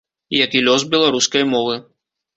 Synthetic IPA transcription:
ijakilʲɔz̬bʲɛlˠaɾuskɐjmɔvɨ

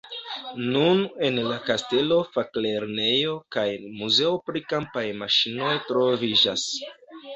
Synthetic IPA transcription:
nune̞nlakaste̞lo̞fakle̞ɾne̞jo̞kajmuze̞opɾikampajmaʃino̞jtɾo̞vid͡ʒa̰s

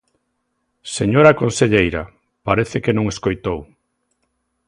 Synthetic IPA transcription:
seɲoɾakõnseʎejɾa | paɾeθɪkenõŋeskojt̪ow

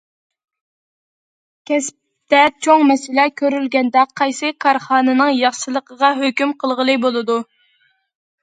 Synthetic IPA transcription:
kʲʰɛsp̚ | t̪ɛt͡ʃʰoŋmɛsɪlɛkʲʰøɾylɡʲɛnd̪ɛqʰːɑjsɨkʰɑɾχɑːnɨnɨŋjɑχʃɨlˠəqəʁɑɦøkʲymqʰəlˠʁəlˠɨbolˠɨd̪u

